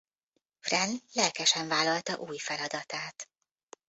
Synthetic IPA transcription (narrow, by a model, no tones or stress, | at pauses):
frɛnlɛlkɛʃɛɱvaːlːɒlt̪ɒʔuːjfɛlɒd̪ɒt̪aːt̪